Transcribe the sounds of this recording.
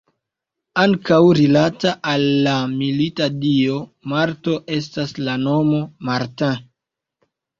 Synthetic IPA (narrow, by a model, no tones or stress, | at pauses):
aŋkawɾilataʔalːamilitadio̞maɾto̞ʔe̞s̬taslano̞mo̞maɾtã